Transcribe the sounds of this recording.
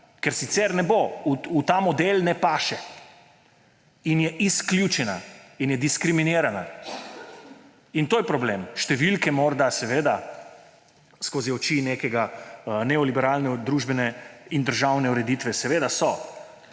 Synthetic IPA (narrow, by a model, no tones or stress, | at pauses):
kɛɾsit̪sɛɾnɛbouut̪aːmɔd̪elnɛpaːʃɛ | injɛʔisklʲjut͡ʃɛnainjɛd̪iskɾiminiːɾana | int̪oːjɛpɾɔbleːmʃt̪ɛʋilkɛmɔɾd̪asɛʋeːd̪a | skoːziɔt͡ʃinekɛɡanɛɔlibɛɾaːlnɛd̪ɾuʒbɛnɛind̪əɾʒawnɛuɾɛd̪it̪ʋɛsɛʋeːd̪asɔ